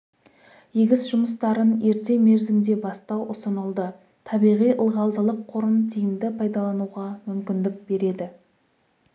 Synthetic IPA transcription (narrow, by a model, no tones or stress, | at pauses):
jeɡʲɪsʒʊməst̪ɑɾəne̞ɾt̪e̞me̞ɾzɪmd̪e̞bɑst̪ɑwʔʊsənəlˠd̪ə | t̪ʰɑbijʁijʔəlˠʁɑlˠd̪əlˠəqʰːʊɾənt̪ʰijɪmd̪ɪpʰɑjd̪ɑlˠɑnuʁɑmʏmkʲɪnd̪ɪk̚be̞ɾe̞d̪ɪ